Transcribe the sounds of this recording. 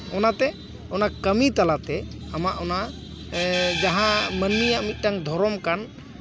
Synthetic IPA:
ɔnat̪ɛ | ɔnakəmit̪alat̪ɛ | amaʔɔna | d͡ʒaɦãmənːijaʔmit̪̚ˀʈaŋd̪ʱɔɾɔmkan

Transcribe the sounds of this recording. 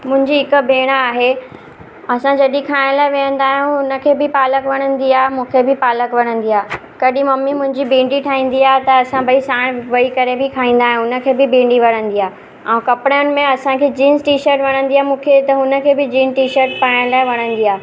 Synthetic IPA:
mʊ̃ɦɪ̃ɲd͡ʑiɦɪkə̆bʱeːɽ̃aaːɦe | ɐsãd͡ʑɐɗĩkʰaːɪɽ̃laːɪʋẽːə̃nd̪aːɦijũʊnə̆kʰeːbɪpaːləkʋɐɽ̃ə̃nd̪iaːɦemũːkʰebɪpaːləkʋɐɽ̃ə̃nd̪iaː | kɐɗĩmɐmːimʊ̃ɦɪ̃ɲd͡ʑibĩːɳɖiʈʰaːĩːnd̪iaːɦet̪ɐɐsãbʱɐisaːɽ̃ʋɐikɐɾebɪkʰaːĩːnd̪aːɦijũʊnə̆kʰeːbɪbĩːɳɖiʋɐɽ̤̃ə̃nd̪iaː | ɛ̃ːkɐpɽjnɪ̆mẽɐsãkʰeːd͡ʑiːnzʈiːʃəɾʈʋɐɽ̃ə̃nd̪iaːmũːkʰet̪ɐɦʊnə̆kʰeːbɪd͡ʑiːnʈiːʃəɾʈpaːɪɽ̃laːɪʋɐɽ̃ə̃nd̪iaːɦ

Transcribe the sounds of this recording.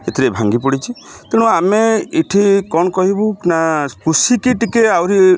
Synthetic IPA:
et̪ʰiɾebʱaŋɡipɔɽit͡ʃʰit̪eɽ̃ũameiʈʰikɔnɔkɔɦibunakusikiʈikeawɾi

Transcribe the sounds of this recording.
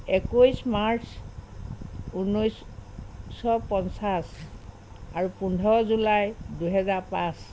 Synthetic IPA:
ekujsmaɹs | unojs | sɔpɔnsas | aɹupundʱɔɹɔzulajduɦɛzaɹpãs

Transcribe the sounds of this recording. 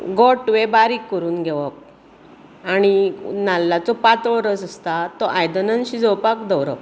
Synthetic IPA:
ɡɔʈʋebaɾiːkːəɾuːnɡʱɛʋək̚ | aɽ̃inalːat͡sɔpat͡sʋɔɾəsəst̪at̪ɔʔajd̪ənənɕid͡zɔwpakd̪əwɾə̰ʋ

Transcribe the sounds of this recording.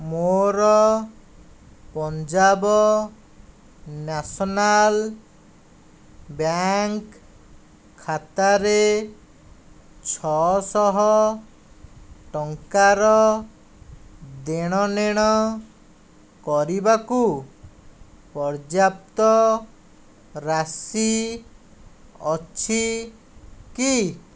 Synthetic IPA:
moɾɔ | pɔnd͡ʒabɔ | nasɔnal | bjaŋkʰː | at̪aɾe | t͡ʃʰɔsɔɦɔ | ʈɔŋkaɾɔ | d̪eɽ̃ɔneɽ̃ɔ | kɔɾibaku | pɔɾd͡ʒap̚t̪ɔ | ɾasi | ɔt͡ʃʰi | ki

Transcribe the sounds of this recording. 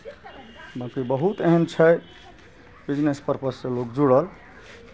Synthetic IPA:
bãkibəɦut̪eɦənt͡ʃʰəj | bid͡ʒnespəɾpəsːẽlokd͡ʒuɽəl

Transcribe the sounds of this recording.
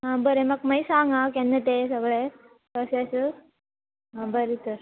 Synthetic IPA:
ɦãbəɾemɐɡmɐjsaŋɡakenːət̪esəɡɭe | kəsas | ɦãbəɾit̪əɾ

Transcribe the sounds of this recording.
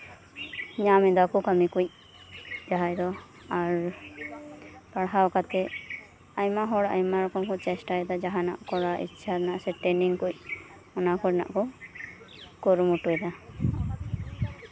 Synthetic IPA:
ɲamɛd̪akɔkamikuc̚ | d͡ʒaɦajd̪ɔ | aɾ | paɽɦawkat̪ɛ | ajmaɦɔɽa̰jmaɾɔkɔmkɔt͡ʃɛsʈaɛd̪ad͡ʒaɦana̰ʔkɔɽaʔḭtːʃʰaɾɛnaʔsɛʈɛniŋkuc̚ˀ | ɔnakɔɾɛna̰ʔkɔ | kɔɾmuʈuɛd̪a

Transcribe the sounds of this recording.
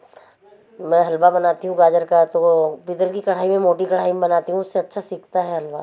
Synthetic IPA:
mɛ̃ɦɐlbabɐnaːt̪iɦũɡaːd͡ʒəɾkat̪opit̪əlkikɐɽ̤aːimẽmoːʈikɐɽ̤aːimẽbɐnaːt̪iɦũʊsːeɐtːʃʰasiːkʰt̪aɦɛɦɐlʋa

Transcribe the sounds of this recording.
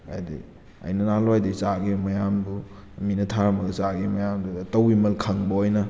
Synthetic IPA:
a̰jdḭ | ɐ̰jnɐnaloajdit͡ʃaɡimɐjambu | minɐtʰaɾamɐɡɐt͡ʃaɡimɐjamdutɐwimɐlkʰɐŋbɐojnɐ

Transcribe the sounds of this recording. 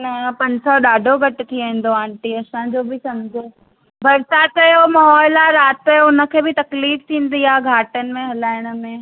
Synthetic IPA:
nɐ̃pɐ̃ɲd͡ʑsɔɗaːɖʱoɡʱɐʈɪ̆t̪ʰiẽːn̆d̪oãːɳʈiɐsãd͡ʑoːbʱɪsɐmd͡ʑʱo | bʱɐɾsaːt̪ɐjomɐɦɔːɪlaɾaːt̪ɐoʊnə̆kʰeːbɪt̪ɐkliːft̪ʰĩːnd̪iaːɡʱaːʈənɪ̆mẽɦɐlaːɪɽ̃ə̆mẽ

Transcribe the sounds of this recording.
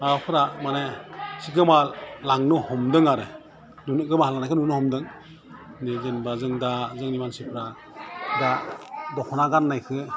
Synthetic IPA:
apʰɯɾamanesikɯmalaŋnuhɔmdɯŋaɾɯ | nunɯɡɯmaalaŋnajkʰɯnunuhɔmdɯŋ | nizenbazɯŋdazɯŋnimansipʰɾa | dadɔkʰɔnaɡanːajkʰɯ

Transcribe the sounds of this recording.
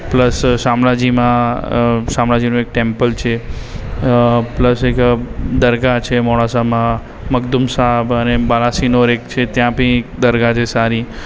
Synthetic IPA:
pləsːamɽad͡ʒimã | samɽad͡ʒinũek̚ʈempəlt͡ʃʰe | pləsekd̪əɾɡat͡ʃʰemɔɽasamã | məɡd̪umsabənebalasinoɾek̚t͡ʃʰet̪jãpəĩek̚d̪əɾɡat͡ʃʰesaɾi

